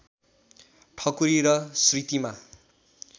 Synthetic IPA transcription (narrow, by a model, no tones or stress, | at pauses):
ʈʰʌkuɾiɾʌsrit̪ima